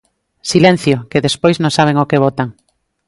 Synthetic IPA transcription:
silɛ̃n̟θjokeðespojznõŋsaβ̞eŋokeβ̞ɔt̪aŋ

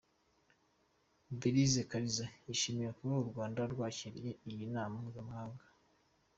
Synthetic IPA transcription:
biɾizekaɾizajiʃimiɾakuɾouɾɡwaːndaɾɡwaːciɾjeijinaːmamuzamahaːŋɡa

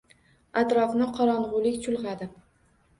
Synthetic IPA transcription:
at̪ɾɒfnɪqʰɒɾɒnʁʊlɪkʲt͡ʃʰʊlˠʁɑd̪ɪ

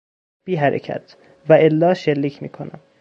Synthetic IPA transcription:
b̥iːɦæɾḛcʰæ̰t̪ʰ | væʔelːɒːʃelːiːcʰmiːkʰonæ̰m

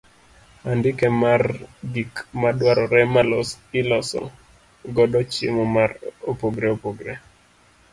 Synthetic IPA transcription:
andɪkɛmarɡikmadwaɾɔɾɛmalɔsɪlɔsɔ̰ | ɡɔdɔt͡ʃɪ̰mɔmaɾopoɡɾɛopoɡɾɛ

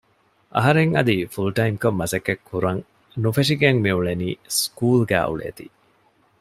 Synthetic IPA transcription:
ʔɐ̰ɦɐɾeŋɐd̪ifulʈɐimkomːɐsɐkːekʰːuɾɐŋ | nufeʂiɡeŋmiuɭeniːskuːlɡæ̰ːʔṵɭḛːt̪ḭ

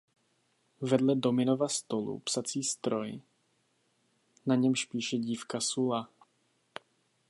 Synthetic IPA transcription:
vɛdlɛdomɪnovast̪olṵpsat͡siːst̪ɾoj | naɲɛmʃpiːʃɛɟiːfkasula

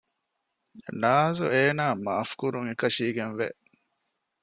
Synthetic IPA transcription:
naːzṵeːnaːmafkuɾuŋekɐʃiːɡenʋḛ

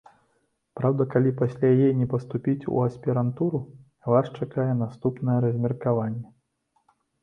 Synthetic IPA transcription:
pɾawd̪ɐkalʲipasʲlʲajajɛjnʲɛpɐst̪upʲit͡sʲṵɐsʲpʲiɾant̪uɾu | vaʂt͡ʂakajɛnast̪upnɐjɛɾɐzʲmʲɛrkavanʲːɛ

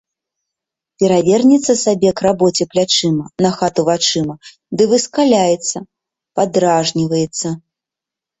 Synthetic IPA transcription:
pʲɛɾavʲɛrnʲit̪sːɐsabʲɛkrabɔt͡sʲɛplʲat͡ʂɨmɐnɐxat̪uvat͡ʂɨmɐ | d̪ɨvɨskalʲajɛt̪sːɐ | pad̪ɾaʐnʲivɐjɛt̪sːɐ

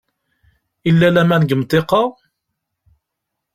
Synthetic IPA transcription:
ilːælæmænəɡəmt̪ˤːeqɑ

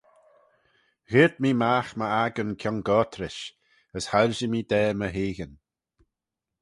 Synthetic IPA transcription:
ɣɪɹd̪̚miːmaːxməaɡənkʰjɔŋɡɔːt̪ʰɾɪʃ | əshaɾʒəmiːd̪ɛːməɦiːɣən

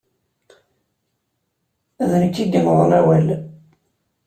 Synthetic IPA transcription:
æðnəkːiɡəməðˤlæwæl

